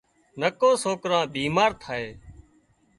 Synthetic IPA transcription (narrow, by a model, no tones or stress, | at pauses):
nəkõːsoːkɾãːbiːmaːɾt̪ʰaːeː